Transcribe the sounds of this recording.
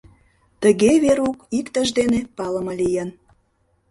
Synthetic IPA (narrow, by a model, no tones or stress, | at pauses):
t̪əɣeβeɾukikt̪əʒd̪enepɑlə̆məlijən